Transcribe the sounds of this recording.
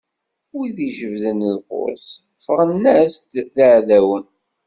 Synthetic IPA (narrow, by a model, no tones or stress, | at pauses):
iðiʒəvðənðqʊ̰ɾs | fəʁənːæst̪ðəʕðæwən